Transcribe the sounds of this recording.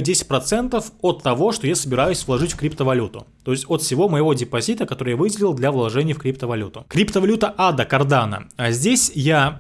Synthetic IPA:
dʲesʲɪ̥tʲpɾɐt̪sɛnt̪əfot̪ːɐvo̞ʂt̪ojasəbʲɪɾajʊsʲvlˠɐʐɨtʲfkɾʲipt̪əvɐlʲut̪ʊ̰t̪o̞ɪsʲtʲot̪fsʲɪvo̞məjɪvo̞dʲɪpɐzʲit̪əkɐt̪o̞ɾɨjavɨdʲɪlʲɪlˠd̪lʲavlˠɐʐɛnʲɪjəfkɾʲip̚t̪əvɐlʲut̪ʊkɾʲipt̪əvɐlʲut̪əʔad̪əkɐrd̪anə̰azʲdʲesʲja

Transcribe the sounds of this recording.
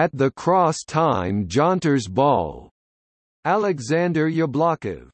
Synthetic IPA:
ɨt̪̚ðɨkʰɹ̥ɔstʰãɪ̃md͡ʒɑ̃ntə˞zbɔ̰lˠ | ælˠɨɡzæ̃ndə˞jəblɑkɪ̰v̥

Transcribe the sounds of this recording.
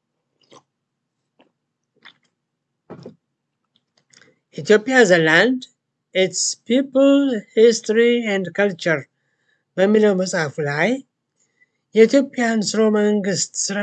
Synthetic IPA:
ʔit̪ʰijo̞pʼijazeland̪ | it̪spipʰlhist̪ɾiɛnd̪kʰɐlt͡ʃəɾ | bəmːiləwməsʼafulaj | jɛit̪jo̞pʼijansɨɾo̞məŋɡɨst̪sɨɾa

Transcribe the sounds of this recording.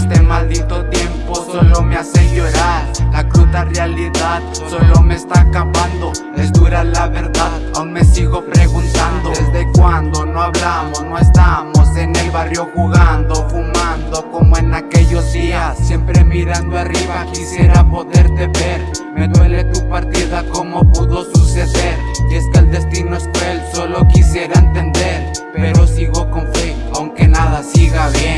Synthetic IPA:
est̪emald̪it̪ot̪je̞mposolomeaseʝo̞ɾaɾlakɾut̪arealiðaðso̞lo̞me̞ːst̪akapand̪o̞ | ezd̪uɾalaβe̞ɾðaðawnme̞siɣo̞pɾeɣunt̪and̪oðezðekwand̪o̞no̞aβlamosnoest̪aβamo̞se̞ne̞lβarjo̞xuɣand̪oxuɣand̪o̞ko̞moenake̞ʝo̞zðiasːje̞mpɾe̞miɾand̪oariβakisje̞ɾapo̞ðe̞ɾt̪e̞βe̞ɾme̞ðwe̞le̞t̪upaɾt̪iðako̞mo̞puðo̞suse̞ðe̞ɾe̞skeald̪e̞st̪inoeskwelso̞lo̞kisje̞ɾaent̪e̞nd̪e̞ɾ | pe̞ɾo̞siɣoko̞ɱfeawŋke̞naðasiɣaβjen

